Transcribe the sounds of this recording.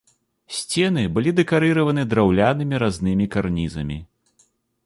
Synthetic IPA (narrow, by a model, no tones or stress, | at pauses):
sʲt͡sʲɛnɨbɨlʲid̪ɨkaɾɨɾɐvɐnɨd̪ɾawlʲanɨmʲiɾaznɨmʲikarnʲizɐ̰mʲi